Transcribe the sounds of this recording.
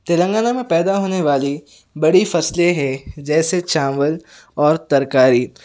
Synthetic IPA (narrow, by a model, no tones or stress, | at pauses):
t̪elə̃ŋɡaːnamẽpɛːd̪aɦoːneʋaːli | bɐɽifɐsleɦɛ̃d͡ʒɛːset͡ʃãːmʋəl | ɔːɾt̪ɐɾkaːɾiː